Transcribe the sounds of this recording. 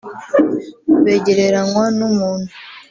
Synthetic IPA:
βeɟeɾeɾanwanumuːn̥hu

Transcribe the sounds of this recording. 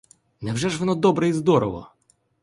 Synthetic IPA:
nɛvʐɛʐvnɔd̪ɔbɾɛizd̪ɔɾɔvɔ̰

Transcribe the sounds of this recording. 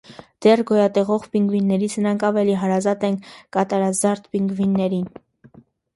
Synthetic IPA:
d̪̥ɛrɡɔjɑt̪ɛʁɔʁpiŋɡvinːɛɾit͡sʰnəɾɑŋkʰɑvɛliɦɑɾɑzɑt̪ɛŋkʰkɑt̪ɑɾɑzɑɾt̪piŋɡvinːɛɾin

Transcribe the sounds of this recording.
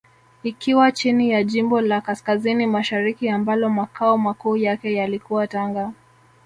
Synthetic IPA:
ikiwat͡ʃinijaʄimbɔlakaskazinimaʃaɾikiambalɔmakʰaɔmakuːjakɛjalikuwataŋɡa

